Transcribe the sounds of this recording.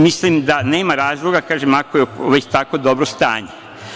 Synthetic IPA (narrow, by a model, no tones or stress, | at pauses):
mislimd̪ane̞ːmaɾaːzlˠo̞ɡakaːʒemakojeʋet͡ʃt̪akod̪o̞bɾost̪a̰ːɲe